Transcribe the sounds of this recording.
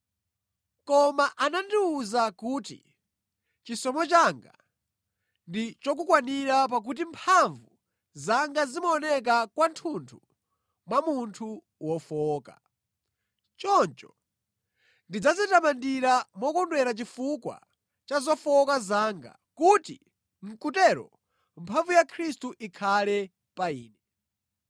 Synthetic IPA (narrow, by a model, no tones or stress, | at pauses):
kɔmaʔanandiuzakuːtḭ | t͡ʃisɔmɔt͡ʃaŋɡa̰ | ndit͡ʃɔk̬ukwaniɾap̬ak̬ut̬impʰaɱvu | zaŋɡazimɔːnɛk̬akwantʰuntʰu | mwamuntʰu | wɔfɔːka̰ | t͡ʃɔnt͡ʃɔ̥ | ndid͡zazɛtamandiɾamɔkɔndwɛɾat͡ʃifukwa̰ | t͡ʃazɔfɔkazaːŋɡa̰ | kutḭ | m̩kutɛɾɔ̰ | mpʰaɱvujakʰɾistuʔikʰalɛ | paiːnɛ